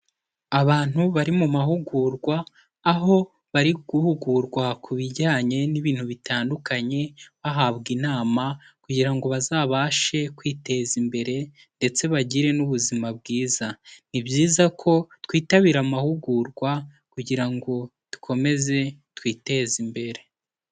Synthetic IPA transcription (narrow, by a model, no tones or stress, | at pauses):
aβaːn̥huβaɾimumaɦuɡuːɾɡwaː | ɦo̞ | βaɾiɡ̥uhuɡuɾɡwakʰuβiɟaːɲe̞niβiːn̥huβitaːndukaɲe̞βaɦaβɡinaːma | kuɟiɾaŋɡo̞βazaːβaːʃe̞kwiːte̞ːzimbe̞ɾe̞ | nde̞t͡se̞βaɟiɾe̞nuβuzimab̚ɡiːzanibɟiːzakʰo̞twiːtaβiːɾamahuɡuɾɡwa | kuɟiɾaŋɡo̞ | tu̥kʰo̞me̞ze̞twiːte̞ːzimbe̞ɾe̞